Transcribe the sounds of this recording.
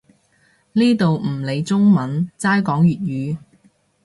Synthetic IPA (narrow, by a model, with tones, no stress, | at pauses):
liː˥t̪o˨wm̩˨˩le˨˧jt͡sʊ˥ŋmɐ˨˥nt͡saː˥jkɔː˨˥ŋjyː˨t̚jyː˨˧